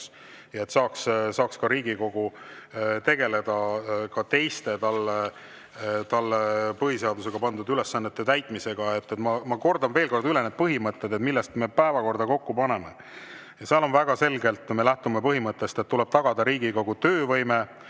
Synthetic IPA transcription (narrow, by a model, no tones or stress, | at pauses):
jɑe̞t̪ːsɑːkssɑːkskɑɾiːɡ̥iko̞ɡ̥u | t̪e̞ɡ̥e̞le̞d̪ɑkɑt̪e̞jst̪e̞t̪ɑlːe | t̪ɑlːepɤɦise̞ɑd̪use̞ɡ̥ɑpɑnd̪ud̪yle̞sːɑnːet̪ːet̪æjt̪ˑmise̞ɡ̥ɑe̞t̪ːet̪mɑmɑko̞rd̪ɑnve̞ːlko̞rd̪yle̞ned̪̚pɤɦimɤt̪ːed̪et̪milːɛst̪me̞pæevɑko̞rd̪̥ɑko̞kːupɑne̞mḛ | jɑseɑlo̞nvæɡ̥ɑse̞lɡe̞lt̪ːˑmelæht̪umepɤɦimɤt̪ːˑest̪et̪ːulɛ̞b̥̚t̪ɑɡ̥ɑd̪ɑɾiːɡ̥iko̞ɡut̪øːvɤjme̞